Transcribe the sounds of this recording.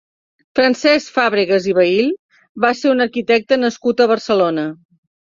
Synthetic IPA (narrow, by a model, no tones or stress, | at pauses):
fɾənsɛsfaβɾiɣəziβəil | βaseunəɾkit̪ɛk̚t̪ənəskut̪əβərsəlonə